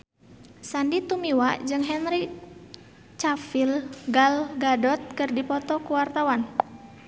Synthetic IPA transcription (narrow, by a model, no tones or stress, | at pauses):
sandit̪umiwaʔd͡ʒɨŋɦɛnɾi | t͡ʃafilɡalɡadɔt̪̚kɨrdipɔt̪ɔkuwart̪awan